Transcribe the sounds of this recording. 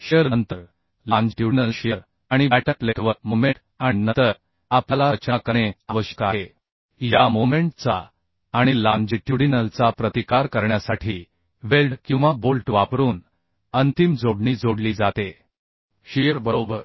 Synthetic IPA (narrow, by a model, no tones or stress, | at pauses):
ɕjəɾnənt̪əɾ | lãnd͡ʑʈjuɽnəlɕijəɾ | aɽ̃ibæʈəʈleʈʋəɾmomeʈ | ainət̪əɾ | apalat͡ɕakəɳ̃eaʋəɕə̥kaɦe | jamumẽɳʈt͡sa | aɽ̃ilãnd͡ʑiʈjuɽinəlt͡sapɾət̪ikaɾkəɾɳjasaʈʰiː | ʋelɖkĩw̃ʋabolʈʋapɾuːn | ənt̪imd͡zoɽɳiːd͡zoɽliːd͡zat̪e | ɕijəɾbəɾobəɾ